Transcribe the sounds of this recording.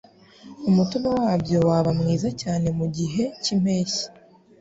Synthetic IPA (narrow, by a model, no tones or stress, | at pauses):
umutumowaːbjo̞waβamŋiːzacaːne̞muɟiɦe̞cim̥e̞ːçi̥